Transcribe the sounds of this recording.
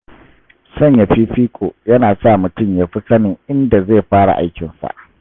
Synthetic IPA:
sɐ˦˨ɲja˨ɸiː˦ɸiː˦kʷʼoː˨jɐ˦naː˨sa˦˨mʊ˨tʊ˦˨mjaː˦ɸi˦sɐ˦nɪ˨ŋʔɪ˦nda˨ze˦˨ɸaː˦ɽa̰˨ʔa˦jkʲɪ˨nsa̰˨ʔ

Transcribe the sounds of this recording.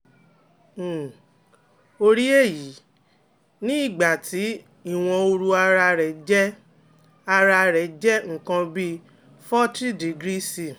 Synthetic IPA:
o˧ɾi˦e˦˨ji˨˦ | nĩ˦i˦˨ɡ͡ba˨ti˨˦ | i˦˨w̃ɔ̃˧o˧ɾu˧a˧ɾa˧ɾɛ˨d͡ʒɛ˦ | a˧ɾa˧ɾɛ˨d͡ʒɛ˦ŋ̩˨kã˧bi˦ | fɔ˦ti˦di˨ɡɾi˦si˨

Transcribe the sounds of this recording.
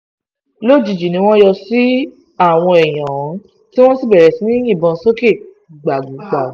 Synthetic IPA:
lo˦˨d͡ʒi˨d͡ʒi˨nĩ˧˦w̃ɔ̃˦jɔ˧si˦ | a˦˨w̃ɔ̃˧ɛ˨j̃ã˨ɔ̃˨˦ | ti˦w̃ɔ̃˦si˦˨bɛ˨ɾɛ˨si˨˦nĩ˦ĩ˦˨bɔ̃˧˦so˦ke˦˨ | ɡ͡ba˨ɡu˨˦ɡ͡ba˨˦

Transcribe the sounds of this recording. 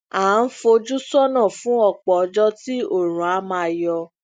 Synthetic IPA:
aː˨˦n̩˦fo˧d͡ʒu˦sɔ˦nã˦˨fũ˦ɔ˦˨k͡pɔ˨ɔ˧˦d͡ʒɔ˦ti˦o˦˨ɾ̃ũ˨a˨˧˦mã˧˨jɔ˧

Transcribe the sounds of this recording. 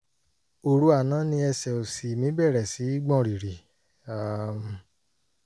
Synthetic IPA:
o˨ɾu˦a˨nã˦nĩ˧ɛ˧sɛ˨o˨si˨mĩ˨˦bɛ˦˨ɾɛ˨si˨˦i˦ɡ͡bɔ̃˦˨ɾi˨ɾi˨ | a˨m˨

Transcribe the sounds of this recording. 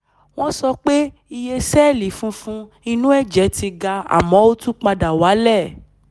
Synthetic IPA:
w̃ɔ̃˦sɔ˧k͡pe˦ | i˧je˧sɛ˦˨li˨fũ˦fũ˦ | i˧nũ˦ɛ˦˨d͡ʒɛ˨˦ti˧ɡa˧a̰˨mɔ̃˨˦o˦tũ˦k͡pa˧da˨wa˨˦lɛ˦˨

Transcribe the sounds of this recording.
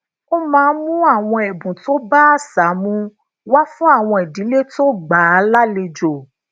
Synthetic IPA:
o˦mãː˦˧n̩˦mũ˦a˦˨w̃ɔ̃˧ɛ˨bũ˨to˦ba˦a˦sa˨˦mũ˧ | wa˦fũ˦a˦˨w̃ɔ̃˧ɛ˨dĩ˨˦le˦to˦ɡ͡ba˨˧˦la˦le˧d͡ʒo˨

